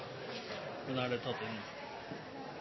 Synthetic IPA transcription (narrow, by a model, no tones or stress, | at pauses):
mɛnæːɖeːt̪ʰɑt̪ːɪn